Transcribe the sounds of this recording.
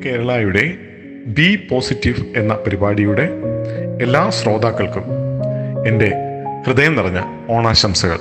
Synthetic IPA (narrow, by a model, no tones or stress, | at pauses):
ke̞ːɾɐɭaːjuɽe̞ | bipo̞ːsitːiʋe̞nːɐpɐɾibaːɽijuɽe̞elːaːsro̞ːd̪aːkːɐɭkum | e̞nde̞krɨd̪ɐjɐmnɐrɐɲːɐ | o̞ːɳaːɕɐmsɐɣɐ̰ɭ